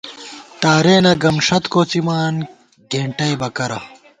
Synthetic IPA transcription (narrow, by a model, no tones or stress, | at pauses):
t̪aːɾeːnɐɡɐmʂɐt̪koːt͡simaːn | ɡʱeːɳʈɐjbɐkɐɾɐ̰